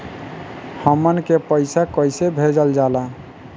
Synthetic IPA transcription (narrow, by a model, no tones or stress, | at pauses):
həmːənkepəjsakəjsebʱed͡ʒəld͡ʒala